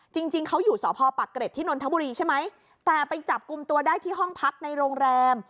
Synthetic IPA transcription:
t͡ɕi˧ŋt͡ɕi˧ŋkʰa˦˥wjuː˨˩sɔː˩˦pʰɔː˧pa˨˩kːɾe˨˩t̪ʰːiː˥˩no˧nt̪ʰa˦˥buː˧ɾiː˧t͡ɕʰa˥˩jma˦˥j | t̪ɛː˨˩pa˧jt͡ɕa˨˩p̚ku˧mt̪u˧ɐdaː˥˩jt̪ʰiː˥˩ɦɔ˥˩ŋpʰa˦˥k̚na˧jɾoː˧ŋɾɛː˧m

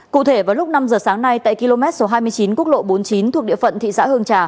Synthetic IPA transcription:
kṵ˧˨t̪ʰe˧˩vaː˨˩wlʊ˦˥k͡p̚na˧mzəː˨˩saː˨˦ŋna˧jt̪a̰ː˧˨jki˧lo˧mɛ˦˥t̚so˨˦ɦaː˧jmɨ˧əjt͡ɕi˨˦nku˦˥ək̚ɗo̰˧˨ɓo˨˦nt͡ɕi˨˦nt̪ʰu˨˩k̚ɗḭ˧˨əfə̰˧˨nt̪ʰḭ˧˨sa̰ː˧˥hɨ˧əŋt͡ɕaː˨˩

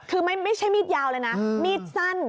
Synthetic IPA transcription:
kʰɯː˧ma˥˩jma˥˩jt͡ɕʰa˥˩jmiː˦˥˩t̪̚jaː˧wlɤː˧jna˦˥miː˥˩t̪̚sa˥˩n

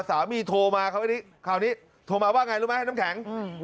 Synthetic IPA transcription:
saː˩˦wmiː˧t̪ʰoː˧maː˧kʰa˦˥wa˥˩niː˦˥˩ | kʰaː˨˩wniː˦˥ | t̪ʰoː˧maː˧waː˥˩ŋa˧jɾuː˦˥ma˦ja˥˩n˦˥kʰɛ˩˦ŋ˧

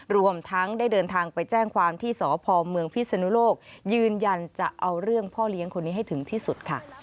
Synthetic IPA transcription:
ɾu˧əmt̪ʰa˦˥ŋdaː˥˩jdɤː˧nt̪ʰaː˧ŋpa˧jt͡ɕɛː˥˩ŋkʰwaː˧mt̪ʰiː˥˩sɔː˩˦pʰɔː˧mɯ˧əŋpʰi˦˥sa˧nu˦˥loː˥˩k̚jɯː˧nja˧nt͡ɕa̰˨˩ʔa˧wɾɯ˥˩əŋpʰɔː˥˩li˦˥əŋkʰo˧nːiː˦˥ɦa˥˩jt̪ʰɯ˩˦ŋt̪ʰiː˥˩su˨˩t̪̚kʰa˥˩

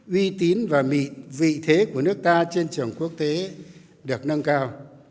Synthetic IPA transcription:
ʔwi˧t̪i˨˦nvaː˨˩mḭ˧˨vḭ˧˨t̪ʰe˨˦ku˧˩ənɨ˦˥ək̚t̪aː˧t͡ɕe˧nt͡ɕɨ˨˩əŋku˦˥ək̚t̪e˨˦ | ɗɨ˨˩ək̚nə˧nkaː˧w

